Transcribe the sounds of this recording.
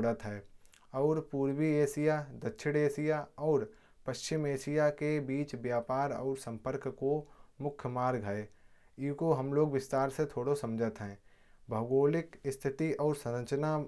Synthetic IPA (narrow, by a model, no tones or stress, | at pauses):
ɽət̪ɦɛː | ɔːɾpuːɾwieːsijad̪ɐtːʃʰɪɽeːsijaɔːɾ | pɐʃt͡ʃɪmeːʃijakebiːt͡ʃbjaːpaːɾɔ̰ːɾsə̃mpəɾkkomʊkʰjəmaːɾɡʱaeː | ikoɦɐmloːɡʋɪst̪aːɾset̪ʰoːɽosɐ̃md͡ʒʱət̪ɦɛ̃ː | bʱəɡoːlɪkɪst̪ʰɪt̪iʔɔːɾsɐɾə̃t͡ʃna